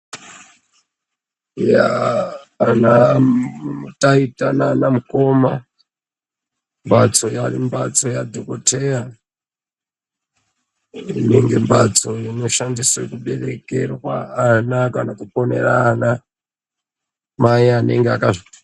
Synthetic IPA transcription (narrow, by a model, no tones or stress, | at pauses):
jaː | na | utaitananamuko̞ma | mbat͡so̞jarimbat͡so̞jadʱokotʰeja | ineŋɡe̞mbat͡so̞jino̞ʃandiswekuɓe̞re̞ke̞rwa̰anakanakupo̞ne̞̰raːna | maianeŋɡeakaʐo